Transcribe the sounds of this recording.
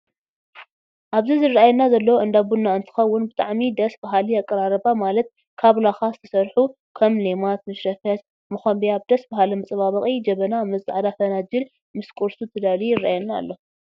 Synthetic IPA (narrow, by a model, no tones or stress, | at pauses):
ʔaβzizɨrːaajɛnːazɐlːɐwoʔɨnd̪abunːaɨnt̪ʰɨ̥xɐwːʊnbɨt̪ʼa̰ʕmid̪ɐsbaɦaliakʼːɐɾaɾɐbamalɐt̪̚ | kʰaβlaxazɨt̪ʰɐ̥sɐɾħu | kʰɐmlemat̪̚mɨʃɾɐfjat̪ | mɨxonbiaβ̚d̪ɐsbahalɐmɐt͡sʼɐβaβɐχʼid͡ʒɐβɐnamɐzaʕd̪afɐnad͡ʒɪl | mɨskʼuɾsut̪ʰɨd̪alijɪrːaʔajɛnːa̰ːlːo